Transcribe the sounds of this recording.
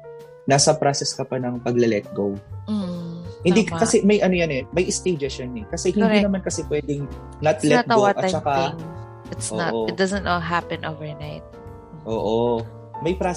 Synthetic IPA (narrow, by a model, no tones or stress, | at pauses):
naːsɐpɾasɛskɐpɐnɐŋpɐɡlɐlɛt̪̚ɡow̩ | hɪnd̪ikkɐsɛmɐjʔɐnojɐnɛmɐjʔɪst̪ejd͡ʒɛʃjɐnɛkɐsɛhɪnɾinɐmankɐsɛpwɛːd̪ɪŋ | nɐt̪lɛɡ̪owʔɐt͡ʃːɐka | ɪt̪soʔoɪt̪̚d̪ɐzə̃nt̪ɔɦapɛ̃nʔovɛɹnajt̪̚ | ʔo̰ːʔo | mɐjpɾa